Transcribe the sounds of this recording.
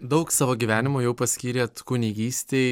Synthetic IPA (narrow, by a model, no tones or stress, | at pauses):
d̪ɐʊksɑːʋoːɡʲiʋʲæːnʲɪmoːjɛʊpɐsʲkʲiːɾʲeːt̪kʊnʲiɡʲiːssʲt̪ʲeː